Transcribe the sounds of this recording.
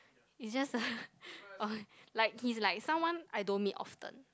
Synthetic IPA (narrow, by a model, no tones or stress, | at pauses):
isd͡ʒasə | ʔɔlaɪk̚hislaɪk̚sãmwãnʔajdõnmĩʔɔ̰ftə̰̃n